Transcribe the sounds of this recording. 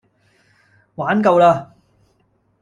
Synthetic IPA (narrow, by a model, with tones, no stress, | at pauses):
waː˨˥nkɐ˧wlaː˧